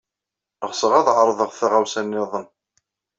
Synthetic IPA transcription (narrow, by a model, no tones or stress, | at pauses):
əʁsəʁæðʕɾˤðˤəʁθæʁæwsænːɪðˤən